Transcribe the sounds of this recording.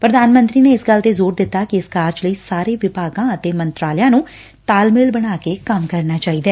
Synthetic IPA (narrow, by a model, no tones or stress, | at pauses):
pɾəd̪aːnmə̃nt̪ɾiːneːɪsɡəld̪eːzoːɾd̪ɪt̪ːaːkɪɪskaːɾd͡ʒləiːsaːɾeːʋɪpaːɡãːət̪eːmənt̪ɾaːləjãːnũː | t̪aːlmɪlbəɽ̃aːkeːkəmkəɾnaːt͡ʃaːiːd̪ɛː